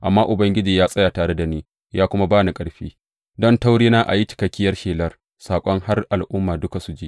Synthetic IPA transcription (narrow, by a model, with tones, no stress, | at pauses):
ʔa̰˨mːaː˦ʔʊ˨bɐ˦ŋɡʲɪ˦d͡ʒiː˨jaː˦sʼɐ˦jaː˨taː˨ɽe˦da˨niː˦ | jaː˦kʷʊ˦ma˦baː˦ni˨kʼɐ˨ɽɸiː˦ | dɔ˦nta˦wɽeː˦naː˦ʔa̰˨ji˦t͡ʃɪ̥˨kɐ˨kʲːɪ˦jɐ˦rʃeː˨lɐ˦r | saː˨kʷʼɔ˦ŋha˦rʔa˨lʔʊ˦mːaː˨dʊ˦ka˨su˨d͡ʒiː˦ʔ